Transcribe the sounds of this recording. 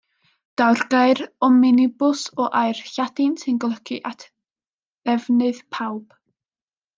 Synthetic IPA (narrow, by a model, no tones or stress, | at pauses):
d̥awrɡaɨɾɔmɪnɪbʊsɔʔajrɬadɪnsɪnɡlˠɔkʰiʔatʰ | ɛvnɨðpʰawb̥